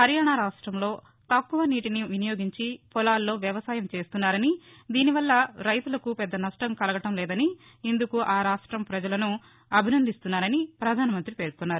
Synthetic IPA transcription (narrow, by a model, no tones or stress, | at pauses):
kɐɾjaːɳaɾaːʂʈɾɐmlo̞ː | t̪ɐkːuʋɐniːʈiniʋinijo̞ːɡiɲt͡ʃipɔlaːlːo̞ːʋjɐʋɐsaːjɐmt͡ʃe̞ːst̪unːaːɾɐni | d̪iːniʋɐlːɐɾɐjt̪ulɐkupɛd̪ːɐnɐʂʈɐmkɐlɐɡɐʈɐmlɛːd̪ɐni | ind̪ukuʔaːɾaːʂʈɾɐmpɾɐd͡ʒɐlɐnu | ɐbʱinɐnd̪ʱist̪unːaːɾɐnipɾɐd̪ʱaːnɐmɐnt̪ɾipe̞ːɾkunːaːɾu